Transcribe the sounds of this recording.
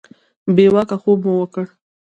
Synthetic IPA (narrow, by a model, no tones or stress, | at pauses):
bewakaxobmuwəkəɽ